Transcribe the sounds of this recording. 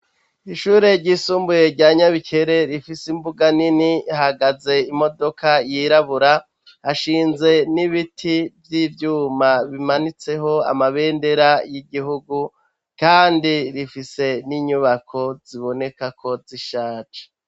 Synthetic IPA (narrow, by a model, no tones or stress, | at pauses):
iʃuːɾe̞ɾɟiːsuːmbuje̞ɾɟaɲaβikʰe̞ɾe̞ɾifisimbuɡaninihaɡaze̞imo̞do̞kajiɾaβuɾa | haʃiːnze̞niβitʰivjiːvjuːmaβimanit͡se̞ɦo̞a̰maβe̞ːnde̞ɾajiɡiɦuɡu | kaːndiɾifise̞niɲuβakʰo̞z̥iβo̞ne̞kakʰo̞ziʃaːt͡ʃḁ